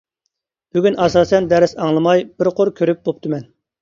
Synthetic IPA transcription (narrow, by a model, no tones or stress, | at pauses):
b̥yɡʲynʔɑsɑːsɛnd̪ɛɾɪsɑŋlˠɨmɑjbɪɾqʰoɾkʲʰøɾyp̚bop̚t̪ʰɨmɛn